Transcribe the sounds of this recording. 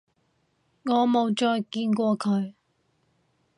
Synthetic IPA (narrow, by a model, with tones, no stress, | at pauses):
ŋɔː˨˧mo˨˧wt͡ʃɔː˧jkiː˧nkʷɔː˧kʰɵ˨˧ɥ